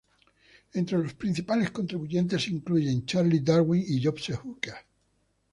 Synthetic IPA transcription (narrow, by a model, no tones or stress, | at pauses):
ẽnt̪ɾelo̞spɾin̟θipale̞sko̞nt̪ɾiβuʝe̞nt̪e̞siŋkluʝẽ̞nt͡ʃaɾlid̪aɾwiŋiʝopsehuka